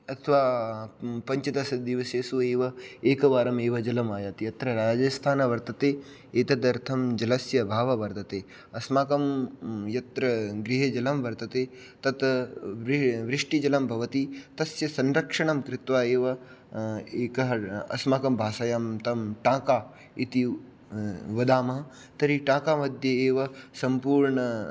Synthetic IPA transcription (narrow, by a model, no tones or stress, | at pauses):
ɐt̪ʰʋaː | pɐɲt͡ʃɐt̪ɐsɐd̪iʋɐseːsueːʋɐeːkɐʋaːɾɐmeːʋɐd͡ʒɐlɐmaːjaːt̪ijɐt̪ɾɐɾaːd͡ʒɐst̪ʰaːnɐʋɐɾt̪ɐt̪eː | eːt̪ɐd̪ɐɾt̪ʰɐmd͡ʒɐlɐsjɐbʱaːʋɐʋɐɾt̪ɐt̪eː | ɐsmaːkɐmjɐt̪ɾɐɡɾɪɦed͡ʒɐlɐmʋɐɾt̪ɐt̪eː | t̪ɐt̪ | ʋɾɪʂʈid͡ʒɐlɐmbʱɐʋɐt̪it̪ɐsjɐsɐnɾɐkʂɐɳɐmkɾɪt̪ʋaːeːʋɐ | eːkɐɦɐɐ̰smaːkɐmbʱaːsɐjaːmt̪ɐmʈãːkaː | it̪i | ʋɐd̪aːmɐɦɐ | t̪ɐɾiʈãːkaːmɐd̪ʱjɐeːʋɐsɐmpuːɾɳɐ